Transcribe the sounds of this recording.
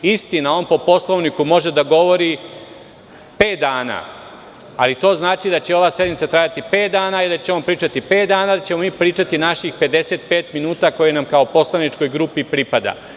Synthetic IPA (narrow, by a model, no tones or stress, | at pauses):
ist̪inao̞npo̞po̞slˠo̞ʋnikumo̞ʒe̞d̪aɡo̞ʋo̞ɾi | pe̞ːt̪̚d̪aːna̰ | alit̪o̞ːznaːt͡ʃid̪at͡ɕe̞o̞ʋaːsje̞d̪mit̪sat̪ɾaːjat̪ipe̞ːt̪d̪aːnaid̪at͡ɕeompɾiːt͡ʃat̪ipe̞ːt̪̚d̪aːnaːd̪at͡ɕe̞mo̞miːpɾiːt͡ʃat̪inaʃixpe̞d̪e̞se̞t̪pe̞ːt̪minuːt̪ako̞jenamkaopo̞slˠanit͡ʃko̞jɡɾupipɾipad̪a̰